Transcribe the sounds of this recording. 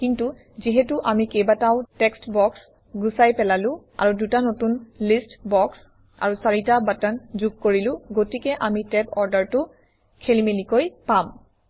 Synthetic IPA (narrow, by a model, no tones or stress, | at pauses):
kintu | ziɦɛtuʔamikejbataʊtɛkstbɔks | ɡusajpɛlalʊ̃a̰ɹudutanotunlistbɔks | a̰ɹusaɹitabatanzuɡ̚koɹilʊ̃ɡotikɛʔamitɛpɔɹdaɹtʊ | kʰelimelikojpam